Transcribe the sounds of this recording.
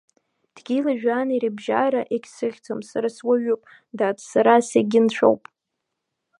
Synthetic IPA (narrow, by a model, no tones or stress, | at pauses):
d̥ɡʲilaʒᶣaniɾibʒaɾaʔekʲsɨʁʲt͡sʰamsaɾaswaɥᶣupʼ | datʰʼsaɾaseɡʲɪnt͡ɕʷʰo̰wpʼ